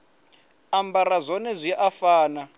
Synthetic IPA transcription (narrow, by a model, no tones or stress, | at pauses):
ambaɾazʷɔnɛzʷiʔafaːna